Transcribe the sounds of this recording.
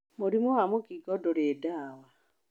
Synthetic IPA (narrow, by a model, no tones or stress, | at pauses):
moɾimohamokiɡɔdoɾedaːwa